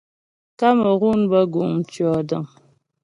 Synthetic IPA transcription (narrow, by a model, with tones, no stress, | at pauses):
ka˦mə˨ɣu˦nbə˦ɡu˨m̩˨t͡ʃɥɔ˨də˨ŋ